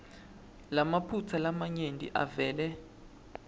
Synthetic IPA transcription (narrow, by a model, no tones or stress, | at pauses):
lamapʰut͡sʰalamaɲendʱʼḭʔa̰vɛːlɛ